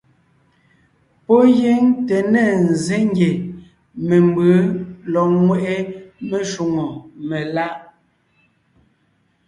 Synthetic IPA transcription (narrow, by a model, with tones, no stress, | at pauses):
pɔ˦je˦ŋte˨nɛ˦˨n̩˨ze˦ŋ˦ɡje˨ | me˨mbə˨˦lɔ˨ŋwɛ˨ʔe˦me˨ʃu˨ŋo˨me˨la˦ʔ